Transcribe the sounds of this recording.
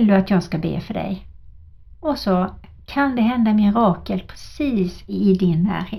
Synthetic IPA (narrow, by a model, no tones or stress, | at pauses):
ld̪ɵat̪jɑːɡskabḛːfœɖɛ̰j | ɔsɔ | kʰand̪ɛɦɛnd̪amɪɾɑːkəlpʰɾɛsiːsɪd̪ɪnːæ̰ːɾheː